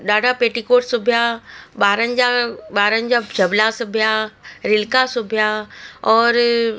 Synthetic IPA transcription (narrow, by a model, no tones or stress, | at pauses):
ɗaːɖʱapeːʈikoːʈsʊbʱjaɓaːɾənɪ̆d͡ʑaɓaːɾənɪ̆d͡ʑad͡ʑʱɐblasʊbʱijaɾɪlkasʊbʱijaɔːɾ